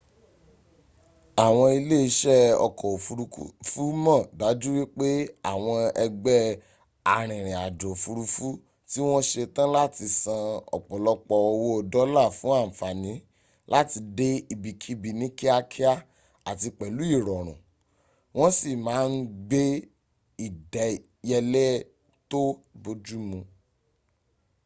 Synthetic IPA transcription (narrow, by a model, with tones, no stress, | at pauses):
a˨w̃ɔ̃˧i˧le˦i˧ʃɛ˦ɔ̰˧kɔ˨˦fu˦mɔ̃˦˨da˨˦d͡ʒu˦wi˦k͡pe˦a˦˨w̃ɔ̃˧ɛ˧ɡ͡bɛ˦ | a˨ɾ̃ĩ˨ɾ̃ĩ˨a˨dɔ̃˨fu˧ɾu˧fu˦ | ti˦w̃ɔ̃˦ʃe˧tã˦la˦ti˧sã˧ɔ̰˨k͡pɔ˨lɔ˦k͡pɔ˧o˧wo˦o˧dɔ˨˦la˦˨fũ˨˦a˦˨fa˨nĩ˨˦ | la˦ti˧de˦i˧bi˨kʰi˦bi˧nĩ˨˦ki˦a˦kʰi˦a˦ | a˨ti˧k͡pɛ˨lu˨˦i˦˨ɾɔ˨ɾ̃ṵ̃˨ | w̃ɔ̃˦si˦˨mãː˨˦n̩˦ɡ͡be˦ | i˦˨dɛ˨˦ | jɛ˧lɛ˦ | to˦bo˧d͡ʒu˦mũ˧